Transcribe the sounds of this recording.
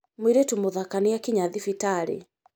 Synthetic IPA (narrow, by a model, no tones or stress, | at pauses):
mwiɾetumoðakaniakiɲaðifitaɾḭ